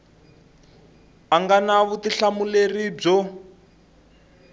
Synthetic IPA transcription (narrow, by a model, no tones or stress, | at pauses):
aŋɡanaβutiɬamulerib͡ʐɔ